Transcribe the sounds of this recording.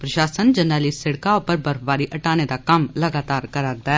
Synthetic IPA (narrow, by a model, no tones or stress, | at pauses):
pɾɐʃaːsənd͡ʒɐnaːlisɪɽkaopɐɾbɐɾfbaːɾiʔɐʈaːned̪akɐmlɐɡaːt̪aːɾkɐɾaːɾd̪aɛ